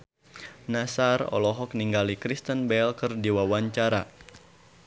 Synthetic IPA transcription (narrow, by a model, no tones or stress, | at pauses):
nasarɔ̰lɔɦɔk̚niŋɡalikɾist̪ənbɛlkɨrdiwawaɲt͡ʃaɾa